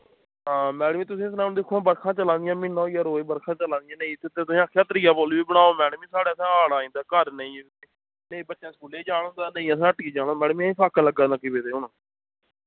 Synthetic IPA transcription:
ɦãːmɛːɽəmĩːt̪̬ʊsĩːɪs̬naːmd̪ɪkʰːoːbəɾkʰãːt͡ʃəlãːnd̪ɪjãːmɪnːãːijaːɾoːeːbəɾkʰãːt͡ʃəlãːnd̪ɪjãːnə̃ĩːt̪ʰːet̪eːt̪ʊsĩːəkʰːjaːt̪əɾɪjaːboːlʋiːbəɽ̃aːoːmɛːɽmĩːsaːɽeːəsãːaːɽaːĩːd̪aːkəɾnəĩːeː | nə̃ĩːbətːʃãːskuːleːd͡ʒaːɽ̃õːnd̪aːnə̃ĩːəs̬ãːəʈkiːd͡ʒaːɽ̃õːmɛːɽmiĩsaːkələɡãːnaːkibeːt̪eːʊnõː

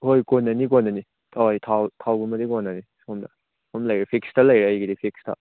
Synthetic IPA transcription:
hojkɔnːɐnik̬ɔnːɐni | tʰawjtʰawtʰawɡumɐdikɔnːɐnisɔmdɐ | hɔmlɐjɾepʰikstʰɐlɐjɾeɐjɡidipʰikstʰɐ̰

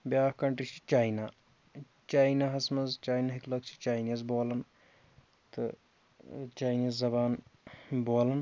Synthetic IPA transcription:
bjaːhkɐɳʈɾit͡ʃi̥t͡ʃaːjna | t͡ʃaːjnaɦɐsmɐzt͡ʃaːjnaɦiklɐkt͡ʃʰi̥t͡ʃaːjnizboːlɐn | t̪ɨ̰ | t͡ʃaːjniːzːɐbaːnboːlɐn

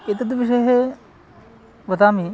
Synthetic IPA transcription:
et̪ɐd̪ʋiʂ̬ɐjɦe | ʋɐt̪aːmi

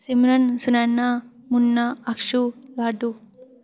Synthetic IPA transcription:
simɾɐnsunanːamunːaɐkʂulaːɖu

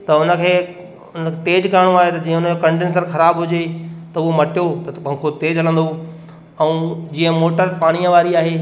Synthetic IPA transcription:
t̪ɐʊnəkʰeː | ʊnəkʰet̪eːd͡ʑkaɪɽ̃oaːɦet̪ɐd͡ʑĩːə̃ʊnəokɐ̃ɳɖens̬əɾxɐɾaːbɦʊd͡ʑet̪ɐʊɦomɐʈijot̪ɐɓɐ̃kʰot̪eːd͡ʑɦɐlə̃nd̪o | ɛ̃ːd͡ʑĩːə̃moːʈəɾpaːɽ̃ijə̃ʋaːɾiaːɦeː

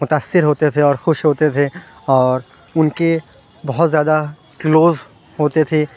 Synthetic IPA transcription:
mʊt̪aːsːɪɾɦoːt̪et̪ʰeɔːɾxʊʃɦoːt̪et̪ʰe | ɔːɾ | ʊnke | bɔɦʊt̪zjaːd̪a | kloːz | ɦoːt̪et̪ʰe

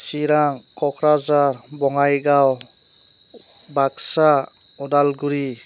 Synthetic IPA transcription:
siɾaŋkʰɔkʰɾazaɾbɔŋajɡaw | baksa | ɔdalɡuɾi

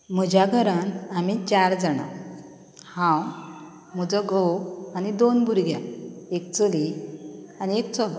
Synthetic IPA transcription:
m̤əd͡ʑaɡʱəɾənamit͡ɕaɾd͡zəɽa̰ | hãw | m̤əd͡zəɡoanid̪onbʱuɾɡjãekt͡səli | aniek̚t͡sɔl

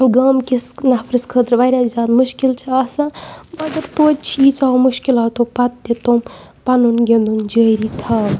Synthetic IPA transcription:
ɡɐːmkisnɐpʰɾɨskʰəːd̪ɾʋɐɾʲazʲjaːd̪muʃkilt͡ʃʰiɐsamɐɡɐɾt̪oːt̪̚ʲt͡ʃʰiiːt͡saːmuʃkilat̪opɐt̪ːet̪om | pɐnunɡend̪und͡ʒəːɾit̪ʰaː

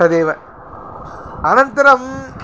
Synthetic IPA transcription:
ɐðeːʋɐ | ɐnɐnt̪ɪɾɐm

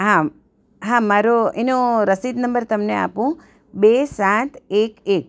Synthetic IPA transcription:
ɦã | ɦãmaɾoenoɾəsid̪nəmbəɾt̪əmnea̰pũ | besat̪ʰekek̚

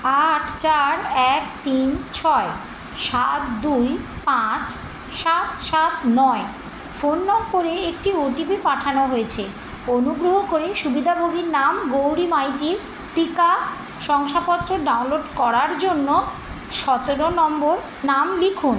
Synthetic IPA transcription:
aʈʰt͡ɕaɾɛkt̪int͡ɕʰɔe | ʃat̪d̪ujpãt͡ɕ | ʃat̪ʃat̪nɔe | fonːɔmpoɾeekʈioʈibipaʈʰanoɦoet͡ɕʰe | onuɡɾoɦokoɾeʃubid̪ʱabʱoɡiɾnamɡowɾimajt̪iɾ | ʈika | ʃɔŋʃapɔt̪ːɾoɖaũnloɖkɔɾaɾd͡ʑonːo | ʃɔt̪eɾonɔmboɾ | namlikʰun

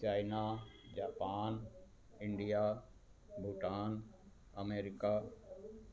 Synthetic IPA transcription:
t͡ʃaːɪnad͡ʑaːpaːn | ɪ̃ɳɖija | bʱuʈaːn | ɐmeːɾɪka

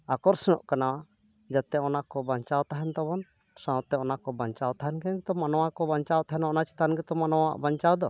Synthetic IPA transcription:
akɔɾsɛnɔ̰ʔkanawa | d͡ʒat̪ɛɔnakɔbaɲt͡ʃawt̪aɦɛnt̪ɔbɔn | sãwt̪ɛɔnakɔbaɲt͡ʃawt̪aɦɛnkɛnɡɛt̪ɔmanɔwakɔbaɲt͡ʃawt̪aɦɛnɔnat͡ʃi̥t̪anɡɛt̪ɔmanɔwa̰ʔbaɲt͡ʃawd̪ɔ

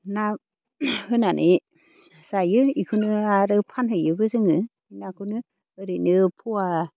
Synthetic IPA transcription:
na | hɯnanʔe | sajɯikʰɯnɯaɾɯpʰanɦhɯjɯbɯzɯŋɯ | inakʰɯnɯ | ɯɾenɯpʰuwa

